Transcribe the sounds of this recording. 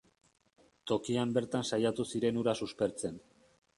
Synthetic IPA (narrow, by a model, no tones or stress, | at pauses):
t̪o̞kiambe̞ɾt̪ansajat̪usiɾe̞nuɾasuspe̞ɾt͡se̞n